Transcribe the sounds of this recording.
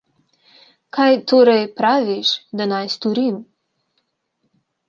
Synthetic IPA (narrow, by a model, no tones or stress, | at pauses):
kʰajt̪oːɾɛjpɾaːʋiʃd̪anajst̪ɔɾim